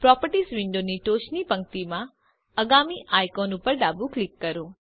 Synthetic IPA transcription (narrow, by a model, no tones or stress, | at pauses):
pɾɔpəɾʈisʋɪ̃ɳɖoniʈoːʃnipə̃ŋkt̪imã | əɡamiʔajkonupəɾɖabuklɪkːəɾoː